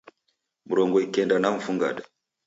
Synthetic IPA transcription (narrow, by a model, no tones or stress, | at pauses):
muɾoŋɡojkendanam̩fuŋɡa̰d